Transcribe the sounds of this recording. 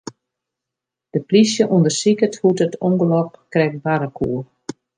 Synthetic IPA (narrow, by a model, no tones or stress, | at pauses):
d̥əplisjəʔundərsikəthutətɔŋɡəlɔpkrɛk̚baɾəkʰuːər